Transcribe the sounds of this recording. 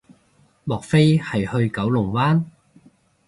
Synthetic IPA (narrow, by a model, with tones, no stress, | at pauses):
mɔː˨k̚fe˥jhɐ˨jhɵ˧ɥkɐ˨˥wlʊ˨˩ŋwaː˥n